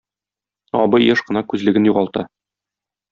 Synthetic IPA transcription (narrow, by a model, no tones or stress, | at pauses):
ɒ̰bɤjɘʃqɤ̆nɑkʉzlɘ̆ɡɘnjuʁɑlˠt̪ɑ